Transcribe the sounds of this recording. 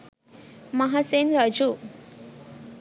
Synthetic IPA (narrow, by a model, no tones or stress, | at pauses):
mʌɦasenɾʌd͡ʒu